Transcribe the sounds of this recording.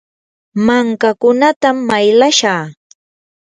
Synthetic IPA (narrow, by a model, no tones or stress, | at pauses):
maŋkakʊnat̪amːajlaʃaː